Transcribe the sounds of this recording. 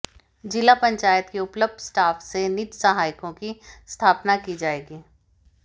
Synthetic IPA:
d͡ʒɪlapɐ̃ɲt͡ʃaːjət̪keʊpləb̚d̪ʱsʈaːfsenɪtsəɦaːɪkõkist̪ʰaːpnakid͡ʒaːeːɡiː

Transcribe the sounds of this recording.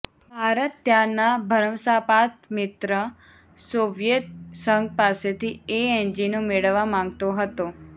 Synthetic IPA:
bʱaɾət̪ːjanabʱəɾəmsapat̪mɪt̪ɾə | soʋjət̪̚səŋɡ̚paset̪ʰieɛ̃nd͡ʒinomeɭəʋːamãŋɡt̪oɦət̪o

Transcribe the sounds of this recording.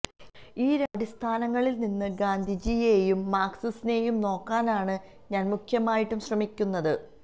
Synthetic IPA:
iːɾaːɖist̪ʰaːnɐŋːɐɭilninːɨɡaːnd̪ʱid͡ʑijejumːaːksisine̞jumno̞ːkːaːnaːɳɨ | ɲaːnmukʰjɐmaːjiʈːumɕrɐmikʲːunːɐðɨ

